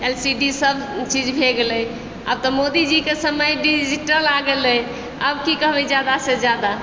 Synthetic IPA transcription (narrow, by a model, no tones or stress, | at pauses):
elsiɖisəbʱt͡ʃid͡ʒbʱeɡeləj | a̰bt̪ɔmod̪id͡ʒikesəməjɖid͡ʒiʈəlaɡeləj | əbkikəɦbɛd͡ʒjad̪ased͡ʒjad̪a